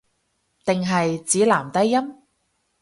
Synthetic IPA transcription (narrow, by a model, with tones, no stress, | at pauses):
t̪ɪ˨ŋɦɐ˨jt͡siː˨˥laː˨˩mt̪ɐ˥jːɐ˥m